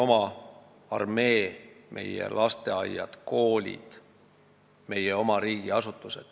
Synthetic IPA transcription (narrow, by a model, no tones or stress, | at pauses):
o̞mɑ | ɑ̰rme̞ːmʔe̞̰jḛlʔɑst̪e̞ɑjːɑ̰d̪̥ko̞ːlʲḭd̪̥ | me̞jeo̞mɑɾiːɡ̥iɑsut̪ːˑused̪̥